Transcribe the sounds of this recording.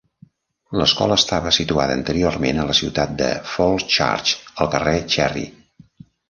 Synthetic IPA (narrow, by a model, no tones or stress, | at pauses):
ləskɔləːst̪aβəsit̪uaðəːnt̪əɾiormenələsiwt̪at̪̚d̪ə̰folˠt͡ʃa̰rt͡ʃəlˠkəret͡ʃɛrḭ